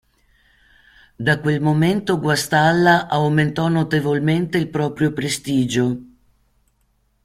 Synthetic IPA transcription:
d̪akwelmoment̪oɡwast̪alːaʔawment̪ɔnot̪evolment̪eilpɾɔːpɾjopɾest̪iːd͡ʒo

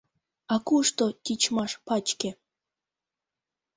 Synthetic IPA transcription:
ɑkuʂt̪ot̪ʲit͡ɕmɑʃpɑt͡ɕkʲĕ

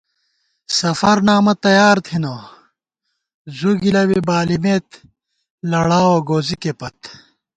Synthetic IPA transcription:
sɐfɐɾnaːmɐt̪ɐjaːɾt̪ʰino | zuɡilɐwibaːlimeːt̪ | lɐɽaːwoɡoːzikepɐt̪

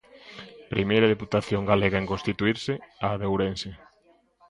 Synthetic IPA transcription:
pɾimejɾɐðeput̪aθjoŋɡaleɣɐeŋkõnst̪it̪uiɾsɪaːðewɾensɪ

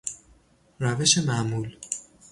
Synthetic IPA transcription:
ræve̞ʃemæʔmuːl

